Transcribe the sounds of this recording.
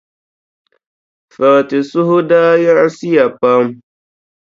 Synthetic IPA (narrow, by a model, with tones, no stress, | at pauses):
fa˨ti˨sʊ˦hʊ˦daː˦ja˦ɾsi˦ja˨pa˦m